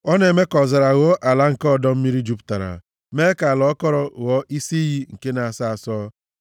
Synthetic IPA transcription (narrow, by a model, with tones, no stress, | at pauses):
ɔ˦ne˨me˦kɔ˨za˨ɾa˨ɣɔ˦ʔa˨la˦ŋ̩˨kɔ˦˨dɔ˦m̩˦mi˦ɾi˦d͡ʒu˦pta˨ɾa̰˨ | me˦ka˨lɔ˨˦kɔ˦ɾɔ˨ɣɔ˦ʔi˦si˦ɦi˦ŋ̩˨ke˦na˨a˨sa˨a˨sɔ˦